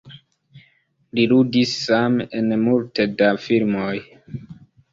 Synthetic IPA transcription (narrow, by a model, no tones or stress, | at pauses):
liludisːamenmultedafilmoj